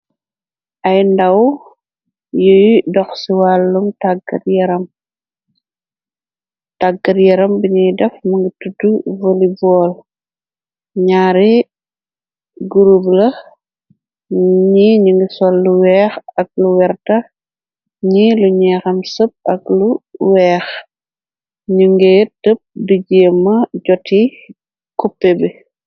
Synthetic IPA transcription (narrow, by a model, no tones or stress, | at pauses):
ʔɐjndɐw | jəjdɔxsiwalːuŋtaɡɐ̰rjɛɾɐm | taɡːɐɾjɛɾɐmbiɲijdɛfmɐŋɡitutːuvolibɔːl | ɲaːɾi | ɡuɾublɐ | ɲiɲuŋɡisɔlːuwɛːxɐk̚luwɛrtɐ | ɲiluɲɛːxɐmsəp̚ɐkluwɛːx | ɲuŋɡɛtəp̚diɟeːmːɐɟɔti | kɔpːɛbɛ